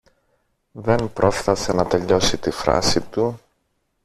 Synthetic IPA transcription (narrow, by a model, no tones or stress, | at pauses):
ðe̞npɾʔo̞fθɐsenɐt̪e̞ʎo̞sit̪ifɾɐ̰sit̪u